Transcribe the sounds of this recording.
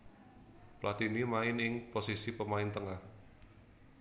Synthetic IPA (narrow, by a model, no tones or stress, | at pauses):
plʔat̪inimaɪnɪŋposisipəmaɪnt̪əŋah